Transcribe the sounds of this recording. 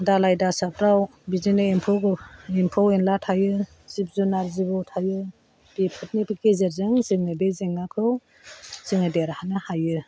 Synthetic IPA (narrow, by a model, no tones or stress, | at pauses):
dalajdasap̚ɾawbizinɯempʰɔɡɯimpʰɔwenlatʰajɯ | sip̚zunaɾzibɔwtʰajɯ | b̥ipʰɯt̚nipikezeɾzɯŋzɯŋnɯbezeŋːakʰɯw | z̥ɯŋɯdeɾahanɯhajɯ